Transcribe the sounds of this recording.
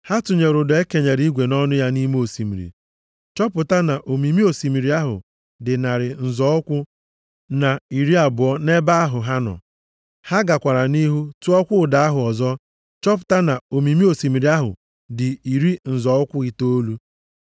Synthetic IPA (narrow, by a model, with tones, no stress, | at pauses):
ha˦tʊ˨ɲe˨ɾʊ˨dɔ˨e˦ke˨ɲe˨ɾi˦ɡʷe˨nɔ˦nʊ˦ja˦ni˦me˦o˨si˨mḭ˨ɾḭ˨ | t͡ʃɔ˦pʊ˨ta˦na˨ʔo˨mi˨mi˦o˨si˨mi˨ɾi˨a˦ɦʊ̰˨ | dɪ˨na˨ɾɪ˨n̩˨zɔ˨˦ʊ˦kʷʊ˦ | na˨i˨ɾi˦a˨bʊ˨ɔ˦ne˦ba˦a˦ɦʊ˨ɦa˦nɔ̰˨ | ha˦ɡa˨kʷa˨ɾa˨ni˦ɦu˦tu˦ɔ˦kʷʊ˦ʊ˨da˨a˦ɦʊ˨ɔ˨zɔ˦ | t͡ʃɔ˦p̬ʊ̥˨ta˦na˨o˨mi˨mi˦o˨si˨mi˨ɾi˨˦a˦ɦʊ̰˨ | dɪ˨i˨ɾi˦n̩˨zɔ˨ʊ˦kʷʊ˦i˦to˦o˦lu˦